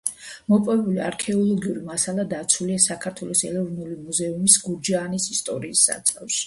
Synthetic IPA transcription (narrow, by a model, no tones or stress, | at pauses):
mɔpʼɔvɛbuliaɾkʰɛɔlˠɔɡiuɾimasalˠad̪at̪sʰuliasakʰaɾt̪ʰwɛlˠɔsɛ̰lɛvnulimuzɛumisɡuɾd͡ʒaːnisist̪ʼɔɾiːsːa̰t̪sʼafʃi̥